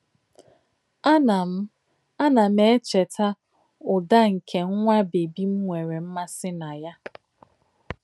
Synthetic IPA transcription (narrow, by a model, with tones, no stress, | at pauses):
m˦ | a˦na˨m̩˦e˦t͡ʃe˨ta˦ | ʊ˨da˦ŋ̩˨kʰe˨ŋ̩˦ŋʷa˦be˨bi˦m̩˦ŋʷe˨ɾe˨m̩˦ma˦sɪ˦na˨ja˦